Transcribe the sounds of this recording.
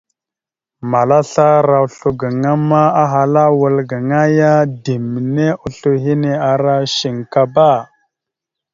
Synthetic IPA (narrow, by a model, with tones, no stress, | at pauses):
ma˨la˦ɬa˦ɾa˨u˨ɬu˨ɡə˨ŋa˦ma˦a˦ɦa˨la˦wə˨lɡə˨ŋa˦ja˦di˨mi˨ne˦ʔu˨ɬu˨ɦi˦ne˨a˨ɾa˦ʃi˨ŋka˦ba˦˨